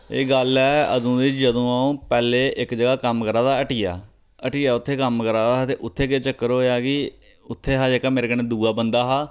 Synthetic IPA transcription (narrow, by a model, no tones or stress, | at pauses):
ḛːɡəlɛːə̰d̪ũːd̪it͡ʃd͡ʒəd̪õːãːpɛːleːʔɪkd͡ʒəɡaːkəmkəɾaːd̪aːəʈiːja̰ː | əʈiːaːʊt̪ʰːeːkəmkəɾaːd̪aːt̪eːʔʊt̪ʰːeːket͡ʃəkːəɾɦoːjaːɡiː | ʊt̪ʰːeːɦaːd͡ʒeːkaːmeːɾeːkənẽːd̪uːaːbənd̪aːɦaː